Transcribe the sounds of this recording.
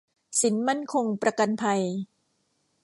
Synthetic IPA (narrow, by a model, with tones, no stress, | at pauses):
si˩˦nma˥˩nkʰo˧ŋpɾa˧ka˧npʰa˧j